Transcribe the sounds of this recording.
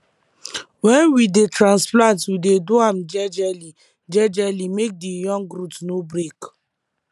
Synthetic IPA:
wɛ̃nwidetɾãnsplãntwidedoam̩d͡ʒɛd͡ʒɛli | d͡ʒɛd͡ʒɛlimek̚dijɔ̃ŋɡɾutnobɾek

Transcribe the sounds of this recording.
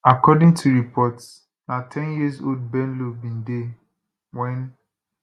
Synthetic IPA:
akɔdĩŋtʰuɹipʰɔt | natʰɛ̃njizo̰ld̚bɛ̃nlobĩnde | wɛ̃n

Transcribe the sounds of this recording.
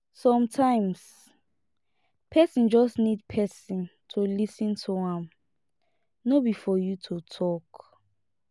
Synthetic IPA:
sɔ̃mtʰãɪ̃ms | pʰɛsĩnd͡ʒɔsnid̚pʰɛsĩntʰulisĩntʰuãm | nobifɔjutʰutʰɔk

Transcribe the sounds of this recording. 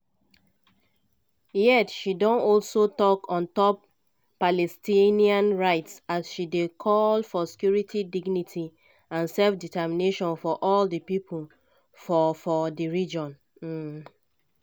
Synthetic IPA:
jɛtʃidɔ̃nɔlsotɔkʰɔ̃ntɔpː | alɛstĩniãnɹaɪtsasʃidekʰɔlfɔsi̥kjuɹitʰidiɡnitʰi | ãnsɛlfditɛmineʃɔ̃nfɔʔɔldəpipʰul | fɔfɔdəɹid͡ʒɔ̃n̩

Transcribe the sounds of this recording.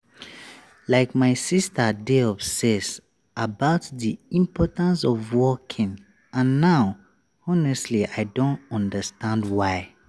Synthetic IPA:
laɪkmaɪsistədeɔbsɛz | abaʊtðiĩmpʰɔtãnsɔvwɔkʰĩŋ | ãnːaʊ | ɔnɛstliʔaɪdõntɔ̃ndəstãndwaɪ

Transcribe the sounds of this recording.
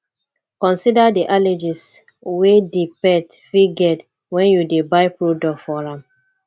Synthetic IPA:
kɔ̃nsidadiʔaled͡ʒis | wedipɛtfiɡɛd | wɛ̃njudebaɪpɹodɔkfɔɹãm

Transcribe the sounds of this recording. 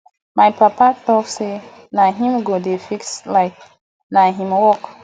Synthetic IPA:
majpʰapatɔkse | naɦĩmɡodefikslaɪk̚ | naɦĩmwɔk

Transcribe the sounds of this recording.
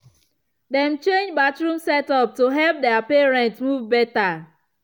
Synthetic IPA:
dɛ̃mt͡ʃẽnd͡ʒbatɹũmsɛtɔp̚toɦɛlp̚dɛapeɹɛ̃ntsmuvbɛta

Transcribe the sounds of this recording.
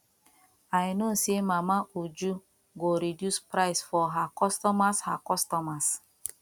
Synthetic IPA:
ajnosemamaʔud͡ʒu | ɡoɾidjuspɾaɪsfɔɦakɔstɔmashakɔstɔmas

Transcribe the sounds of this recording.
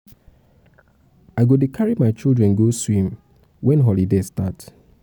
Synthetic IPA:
aɪɡodekʰaɹimaɪt͡ʃilˠdɹɛ̃nɡoswĩm | wɛ̃nɦɔlidestat

